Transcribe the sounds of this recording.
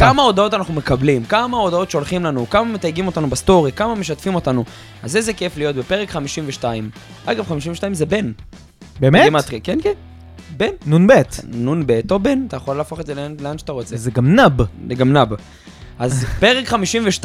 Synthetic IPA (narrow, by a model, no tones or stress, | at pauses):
kamao̞d̪ao̞t̪anaχnume̞kablimkamao̞d̪ao̞tʃeo̞lχimlanukamamet̪ajɡimo̞t̪anubast̪o̞ʁikamame̞ʃat̪fimo̞t̪anu | azezekeflijo̞t̪be̞peʁekχamiʃimveʃtaim | ʔaɡavχamiʃimveʃtaimze̞be̞n | bemeimat̪ʁikenken | bennunbet̪nunbet̪obe̞nt̪ajaχo̞laːfo̞χe̞dzeleanleanʃḁt̪aʁo̞t͡sezeɡamnabeɡamnab | azpe̞ʁekχamiʃimveʃt